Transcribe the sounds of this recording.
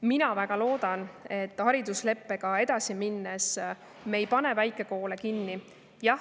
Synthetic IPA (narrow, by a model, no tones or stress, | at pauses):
minɑvæɡ̥ɑlo̞ːd̪̥ɑne̞t̪ːˑhɑɾid̪usle̞pːe̞ɡɑe̞d̪̥ɑsiminːes | mejpɑne̞væjkːˑe̞ko̞ːle̞kinːi | jɑ